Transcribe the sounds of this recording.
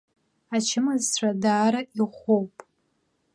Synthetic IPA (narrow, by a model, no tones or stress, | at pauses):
at͡ʃʰɪmazt͡ɕʷʰadaːɾaʔiχʷowpʼ